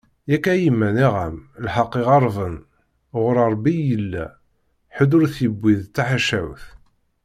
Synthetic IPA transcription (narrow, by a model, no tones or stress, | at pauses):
jækːæjimːæniʁəmlħɑqːeʁɑɾˤvən | ʁʊɾɑɾˤbijəlːæ̰ | ħəd̪ʊɾθibːiðt̪ːaħaʃæwθ